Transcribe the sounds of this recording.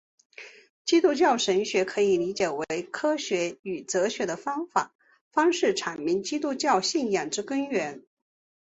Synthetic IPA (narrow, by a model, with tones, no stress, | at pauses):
t͡ɕi˥t̪u˥˧t͡ɕjɑ˥˩ʊʂə˧˥ŋɕɥɛ˧˥kʰɤ˧˥i˨˩li˧˥t͡ɕjɛ˨˩we˧˥ɪkʰɤ˥ɕɥɛ˧˥y˨˩t͡sɤ˧˥ɕɥɛ˧˥d̪ə˧fɑ˥ŋfa̰˨˩˦ | fɑ˥ŋʂɻ̩˥˩ʈ͡ʂʰa˨˩nmi˧˥ŋt͡ɕi˥t̪u˥˧t͡ɕjɑ˥˧ʊɕi˥˩njɑ˨˩ŋʈ͡ʂɻ̩˥kə˥ŋɥɛ˧˥n